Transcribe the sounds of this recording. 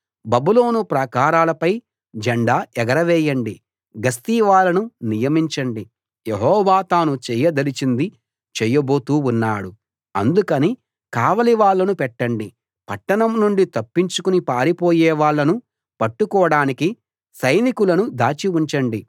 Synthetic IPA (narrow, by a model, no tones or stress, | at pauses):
bɐbuloːnupɾɐkaːɾaːlɐpɐj | d͡ʒɐɳɖaːɛɡɐɾɐʋɛːjɐɳɖi | ɡɐst̪iːʋaːɭːɐnunijɐmiɲt͡ʃɐɳɖi | jeɦɔːʋaːt̪aːnut͡ʃɛːjɐd̪ɐlit͡ʃind̪i | t͡ʃɛjɐbo̞ːt̪uːunːaːɽu | ɐnd̪ukɐni | kaːʋɐliʋaːɭːɐnupɛʈːɐɳɖi | pɐʈːɐnɐmnuɳɖit̪ɐpːiɲt͡ʃukunipaːɾipoːjɛːʋaːɭːɐnu | pɐʈːukɔːɽaːniki | sɐjnikulɐnud̪aːt͡ʃiuɲt͡ʃɐɳɖi